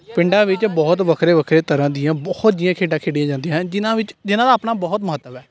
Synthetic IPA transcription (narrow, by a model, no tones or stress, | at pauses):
pɪ̃ɳɖãːʋɪt͡ʃbɔːt̪ʋəkʰɾeːʋəkʰɾeːt̪əɾãːd̪ɪjãːbɔːt̪d͡ʒ̪ijãːkʰeːɖãːkʰeːɽiãːd͡ʒãːnd̪ijãd͡ʒɪnãːʋɪt͡ʃd͡ʒɪnãːd̪aːpnaːbɔːt̪mʊɦət̪ːəʋɛː